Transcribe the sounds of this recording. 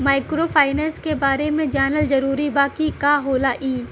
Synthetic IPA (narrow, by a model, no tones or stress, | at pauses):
maːɪkɾopʰaːɪnɛːnskebaːɾemẽd͡ʒaːnəlzɐɾuːɾibaːkikaɦoːlaʔiː